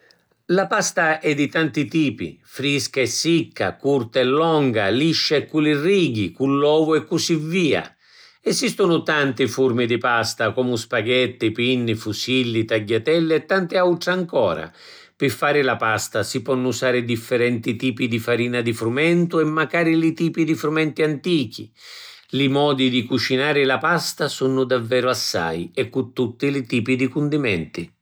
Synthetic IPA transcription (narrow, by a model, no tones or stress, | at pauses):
lapast̪aʔɛd̪ːit̪ant̪it̪iːpḭfɾiskaɛsːikːa̰kurt̪aɛlːɔŋɡa̰liʃːaɛkːuliriːɡikulːɔːvʊɛkːusivːiːa̰ | ɛsist̪ʊnʊt̪ant̪ifurmid̪ipast̪akɔːmʊspaɡɛt̪ːipinːifusilːit̪aɟːat̪ɛlːɪɛt̪ːant̪ɪawʈ̪ɾaŋkɔ̰ːɾa̰ | pɪfːaːɾɪlapast̪asipɔnːusaːɾɪd̪ifːɛɾɛnt̪it̪iːpid̪ifaɾiːnad̪ifɾumɛnt̪ʊɛmːakaːɾilɪt̪iːpid̪ifɾumɛnt̪iant̪iːk̟ḭ | lɪmɔːd̪id̪ikut͡ʃinaːɾɪlapast̪asunʊd̪avːɛːɾʊasːa̰jɛkːut̪ːut̪ːilɪt̪iːpid̪ikund̪imɛnt̪i